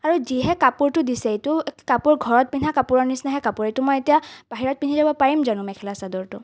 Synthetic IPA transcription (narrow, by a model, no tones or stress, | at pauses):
aɹuziɦɛkapuɹtʊdisɛetʊkapuɹɡʱɔɹɔt̚pinʰakapʊɹɔɹnisnaɦɛkapʊɹetʊmɔjetijab̥aɦiɹɔt̚pinizabɔpaɹimzanʊ̃mɛkʰɛlasadɔɹtʊ